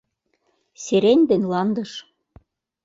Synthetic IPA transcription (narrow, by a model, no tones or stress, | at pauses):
seɾenʲd̪enʲlɑnd̪ɤ̆ʃ